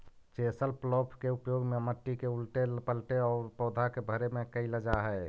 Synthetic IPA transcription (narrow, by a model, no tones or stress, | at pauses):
t͡ʃesəlplɔpʰkeupjoɡmeməʈːikeulʈelpəlʈeɔːɾpɔːd̪ʱakebʱəɾemekəɪləd͡ʒaɦɛ